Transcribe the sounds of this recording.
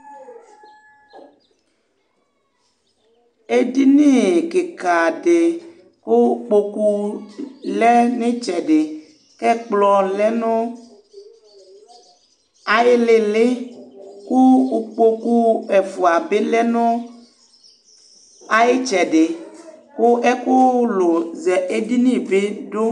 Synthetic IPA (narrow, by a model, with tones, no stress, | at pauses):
e˦di˦ne˦˨ke˨ka˨ɖe˨ | ko˦k͡po˦ku˦ | lɛ˦ne˦t͡ʃɛ˨ɖe˨ | kɛ˦k͡plɔ˨lɛ˦nõ˦ | a˨je˦le˨le˦ku˦u˨k͡po˦ku˦ɛ˨vu˨a˨be˦lɛ˦nõ˦ | a˦je˦t͡ʃɛ˨ɖe˨ko˦ʔɛ˦ko˦lo˨zɛ˨ʔe˦di˦nĩ˦be˦ɖo˦